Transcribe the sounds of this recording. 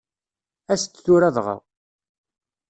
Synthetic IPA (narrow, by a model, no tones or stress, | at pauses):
æst͡sːθuɾæðʁə̰ʁ